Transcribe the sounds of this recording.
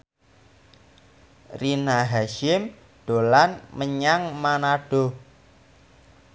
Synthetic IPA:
rinaɦaʃɪm | ɖ̥o̤lanməɲaŋmanaɖ̥o̤

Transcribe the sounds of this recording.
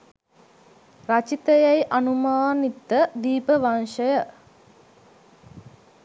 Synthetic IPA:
rat͡ʃit̪əjajʔɐnumaːnit̪ːəd̪iːpəʋanʃəjə

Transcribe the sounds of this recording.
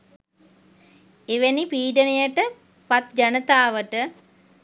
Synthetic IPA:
eʋenipiːɖənejəʈə | pat̪d͡ʒanət̪aːʋəʈə

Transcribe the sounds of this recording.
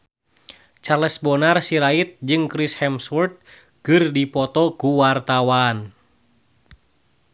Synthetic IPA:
t͡ʃarlɛsbɔnarsiɾait̪̚d͡ʒɨŋkɾishɛmswɔrt̪̚ | kɨrdipɔt̪ɔkuwart̪awan

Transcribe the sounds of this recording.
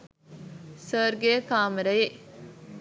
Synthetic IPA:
səːɾɡejəkaːməɾəje

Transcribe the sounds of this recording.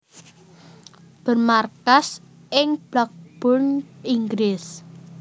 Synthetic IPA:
b̥ə̤rmarkas | ʔɪŋb̥lak̚b̥ɔrniŋɡlɪs

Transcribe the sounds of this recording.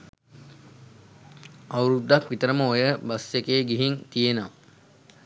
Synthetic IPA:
awɾud̪ːakʋit̪əɾəməojəbasjekeːɡiɦint̪ijenəʋa

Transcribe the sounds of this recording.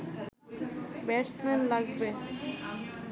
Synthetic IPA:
bɛʈsmenlaɡbe

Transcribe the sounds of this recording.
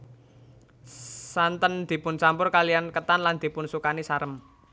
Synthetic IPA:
sant̪ənd̪̥i̤pʊnt͡ʃampʊrkaliankət̪anland̪̥i̤pʊnsukanisaɾəm

